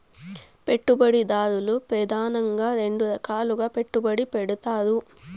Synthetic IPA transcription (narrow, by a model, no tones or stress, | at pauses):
pe̞ʈːubɐɽid̪aːd̪ulupɾɐd̪ʱaːnɐŋɡaːɾe̞ɳɖuɾɐkaːluɡaːpe̞ʈːubɐɽipeɽut̪aːd̪u